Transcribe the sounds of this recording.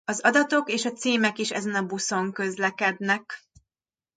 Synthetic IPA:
ɒzɒd̪ɒt̪o̞keːʃɒt̪siːmɛkiːʃɛ̰zɛnɒbuso̞ŋkø̞zlɛkɛd̪nɛk

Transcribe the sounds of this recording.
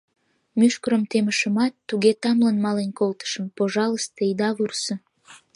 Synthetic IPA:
myʃkəɾəmt̪eməʃəmɑt̪ːuɣet̪ɑmlənmɑlenkolt̪ə̥ʃəmpoʒɑləst̪eid̪ɑβursə

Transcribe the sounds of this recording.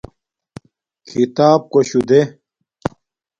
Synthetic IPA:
kʰit̪aːp̚koɕud̪e

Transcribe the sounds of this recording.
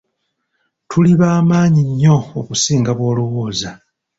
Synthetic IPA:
tʰuliβaːmaːɲiɲːo̞okusiːŋɡaβwo̞ːluwoːza

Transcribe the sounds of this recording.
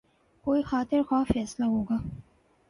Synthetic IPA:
koːixɑːt̪ɪɾxwɑfɛːslaɦoːɡa

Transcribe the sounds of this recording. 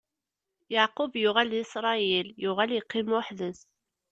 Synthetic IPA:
jaʕqʊbjʊʁælisɾˤɑiljʊʁæljiqːimʊħðəs

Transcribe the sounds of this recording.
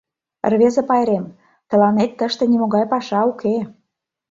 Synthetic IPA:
rβezepɑjɾem | t̪ə̆lɑnet̪ːəʃt̪ĕnimoɣɑjpɑʃɑukʰe

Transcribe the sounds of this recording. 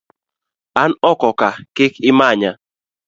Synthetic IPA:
anɔkɔkakɪkʰɪmaɲa

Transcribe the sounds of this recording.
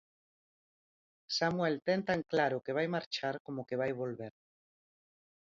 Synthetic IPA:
samwɛlt̪ɛnt̪aŋklaɾʊkeβajmaɾt͡ʃaɾkomokeβajβolβeɾ

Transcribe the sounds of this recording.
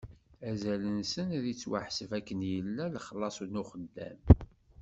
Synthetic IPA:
æzælənsənðit͡sːwa̰ħsəvækːənjəlːæləχəlːɑsˤunuχəd̪ːæ̰m

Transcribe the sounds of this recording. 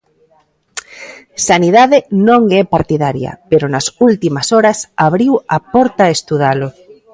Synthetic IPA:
saniðaðenõŋɛpaɾt̪iðaɾjɐ̰peɾonasult̪imasoɾasaβɾiwapɔɾt̪aest̪uð̞alo

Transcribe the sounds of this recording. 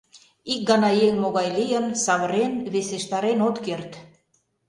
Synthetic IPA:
ik̚ɡɑnɑjeŋmoɣɑjlijənsɑβəɾenβeseʃt̪ɑɾenot̪kert̪

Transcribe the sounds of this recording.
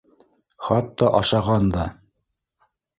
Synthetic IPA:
χɑt̪ːɑʔɑʃɑʁɑnd̪ɑ

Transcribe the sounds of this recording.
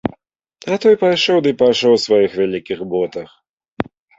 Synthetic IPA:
at̪ɔjpajʂɔwd̪ɨpajʂɔwsvajixvʲalʲikʲixbɔt̪ɐx

